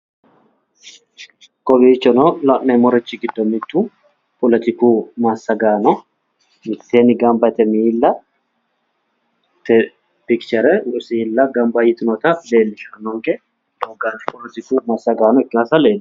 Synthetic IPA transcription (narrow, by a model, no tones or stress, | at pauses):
kɔbit͡ʃːɔnɔlɐʔnɛmɔɾɛt͡ʃːɪɡɪd̪ːɔmːɪt̪ːu | pʰʼɔlɛt̪ɪkuːmaːsːɐɡaːnɔ | mɪt̪ːeːnɪɡɐmbɐt̪ɛmiːlːɐ | t̪ɛ | pɪkt͡ʃɛɾɛʊʔsilːɐɡɐmbɐjɪt̪ɪnɔt̪ɐle̞ːlːɪʃɐnːɔŋkʼɛ | oɡanpɔlɛt̪ɪkuːmasːɐɡaːnɔɪkːɪnasɐleːlː